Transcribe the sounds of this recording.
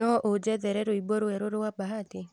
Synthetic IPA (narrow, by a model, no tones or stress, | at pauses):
ɔʔod͡ʒɛðɛɾɛɾoibɔɾoɛɾoɾowabaɦate